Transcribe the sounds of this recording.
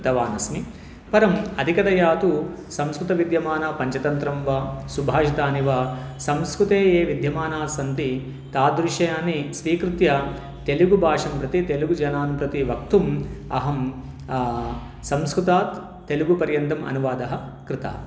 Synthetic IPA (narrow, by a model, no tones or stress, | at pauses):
t̪ɐʋaːnɐsni | pɐɾɐmɐd̪ʱikɐd̪ɐjaːt̪u | sɐmskɾut̪ɐʋid̪ʱjɐmaːnaːpɐɲt͡ʃɐt̪ɐnt̪ɾɐmʋɐsubʱaːʃit̪aːniʋasɐmskɾut̪eːjeːʋid̪ʱjɐmaːnaːsɐnt̪i | t̪aːd̪ɾuʂɐjaːnisʋiːkɾut̪jɐ | t̪eluɡubʱaːʂɐmpɾɐt̪it̪eluɡud͡ʒɐnaːnpɾɐt̪iʋɐk̚t̪umɐɦɐm | sɐmskɾut̪aːt̪ː | eluɡupɐɾjɐnt̪ɐmɐ̰nuʋaːd̪ɐɦɐkɾɪt̪a̰ː